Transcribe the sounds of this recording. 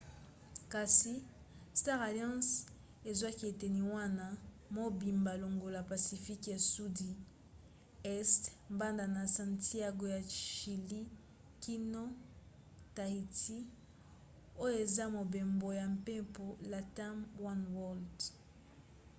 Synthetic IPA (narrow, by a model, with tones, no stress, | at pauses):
ka˨si˨ | sta˦ʁa˨ljɑ̃˦s | e˨zwa˦ki˦e˨te˨ni˨wa˦na˦ | mo˦bi˨mba˨lo˨ŋɡo˨la˨pa˨si˨fi˦ka˨su˦di˨ | ɛ˦stmba˦nda˨na˨sã˨nti˦a˦ɡo˦ja˨ʃi˨li˦ | ki˦no˦ | ta˨i˨ti˦ | o˦jo˦e˨za˦mo˨be˨mbo˨ja˨mpe˦po˨la˨ta˦mwa˦nwɔ˦˨ld